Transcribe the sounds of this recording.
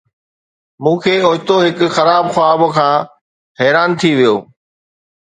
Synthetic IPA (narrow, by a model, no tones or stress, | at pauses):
mũːkʰeːʊːɦt̪oɦɪkʊxɐɾaːbxwaːbkʰãː | ɦɛːɾaːnt̪ʰiʋijo̰ː